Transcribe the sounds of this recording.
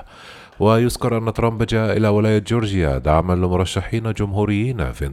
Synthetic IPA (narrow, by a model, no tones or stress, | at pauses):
wajʊskɑɾˤʔanːat̪ɾˤɑmbd͡ʒaːʔaʔɪlaːwɪlaːjad͡ʒoːɾd͡ʒɪja̰d̪aʕmalɪmʊɾˤɑʃːaħiːnad͡ʒʊmɦuːɾɪjːiːna̰fin